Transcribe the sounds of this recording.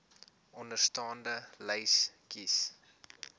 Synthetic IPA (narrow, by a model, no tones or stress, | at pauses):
ʔɔndərstɑːndələjskis